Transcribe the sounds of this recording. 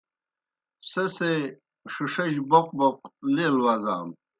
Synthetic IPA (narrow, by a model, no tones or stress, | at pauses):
sese | ʂiʂɐʑboq̚boq̚leːlwaza̰ːm